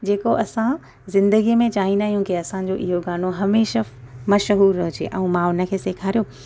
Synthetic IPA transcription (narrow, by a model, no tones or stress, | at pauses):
d͡ʑeːkoʔɐsã | zɪ̃nd̪əɡimẽt͡ɕaːɦĩnaːɦijũkiɐsãd͡ʑoʔɪɦoɡaːnoɦɐmeːʃə | mɐʃɦuːɾːɐɦʊd͡ʑḛʔɛ̃ũmãʊnə̆kʰeːseːkʰaːɾijo